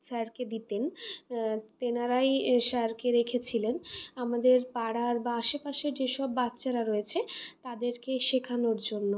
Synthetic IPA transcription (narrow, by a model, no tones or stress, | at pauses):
ʃɛɾked̪it̪en | t̪enaɾajʃɛɾkeɾekʰet͡ɕʰilenamad̪eɾpaɽaɾbaaʃepaʃeɾd͡ʑeʃɔbːat̪ːɕaɾaɾoet͡ɕʰet̪ad̪eɾkeʃekʰanoɾd͡ʑonːo